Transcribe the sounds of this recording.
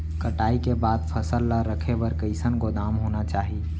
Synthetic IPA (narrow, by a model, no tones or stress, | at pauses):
kəʈaːikebad̪pʰəsəlːaɾəkʰebəɾkəɪsənɡod̪amɦonat͡ʃaːɦi